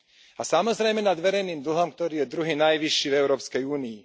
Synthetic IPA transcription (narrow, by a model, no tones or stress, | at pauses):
asamɔzɾɛjmɛnad̪ʋɛɾɛjniːmd̪l̩ɦɔmk̚t̪ɔɾiːjɛd̪ɾuɦinajʋiʃːivɛʊɾɔːpskɛjuːniː